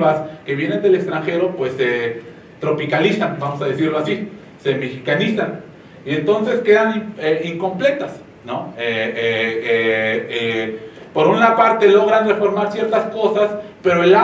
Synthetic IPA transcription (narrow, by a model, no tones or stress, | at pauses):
aske̞βje̞ne̞nd̪e̞lekst̪ɾaŋxe̞ɾo̞pwe̞sːe | t̪ɾo̞pikalisanbamosaðesiɾloasi | semexikanisan | ie̞nt̪o̞nse̞ske̞ðanieiŋko̞mple̞t̪as | noeeeepoɾunapaɾt̪e̞lo̞ɣ̞ɾanrefo̞ɾmaɾsje̞ɾt̪asko̞saspe̞ɾoela